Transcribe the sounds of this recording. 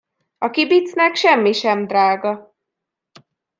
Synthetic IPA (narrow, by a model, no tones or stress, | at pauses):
ɒkibit̪snɛkʃɛmːiʃɛmd̪raːɡɒ